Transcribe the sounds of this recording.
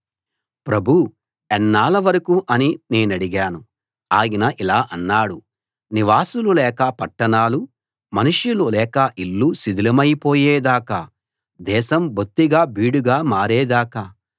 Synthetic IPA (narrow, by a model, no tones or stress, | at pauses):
pɾɐbʱu | ɛnːaːlɐʋɐɾɐkuʔɐnine̞ːnɐɽiɡaːnu | aːjinɐʔilaːʔɐnːaːɽu | niʋaːsululɛːkɐpɐʈːɐɳaːlu | mɐnuʂjululɛːkɐʔilːusid̪ʱilɐmɐjipoːjɛːd̪aːkɐ | d̪ɛːʃɐmbʱut̪ːiɡaːbiːɽuɡaːmaːɾɛːd̪aːkɐ